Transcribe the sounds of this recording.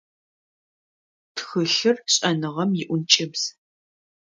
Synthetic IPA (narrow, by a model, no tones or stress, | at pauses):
txɨɬɨrɕʼɐnɨʁɐmjɪʔʷʊnt͡ʃʼɪbz̥